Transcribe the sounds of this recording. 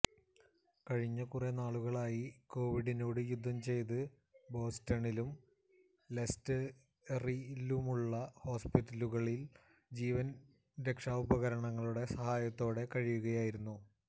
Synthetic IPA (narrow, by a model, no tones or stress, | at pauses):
kɐɻiɲːɐkurenaːɭuɣɐɭaːjiko̞ːʋiɽino̞ːɽɨjud̪ʱːɐmt͡ɕe̞jt̪̬ɨ | bo̞ːstɐɳilum | le̞stɨ | rilumuɭːɐho̞ːspitːɐluɣɐɭil | d͡ʑiːʋɐn | ɾekʂaːubɐɣɐɾɐɳɐŋːɐɭuɽe̞sɐhaːjɐt̪ːo̞ːɽe̞kɐɻijuɣɐjaːjiɾunːu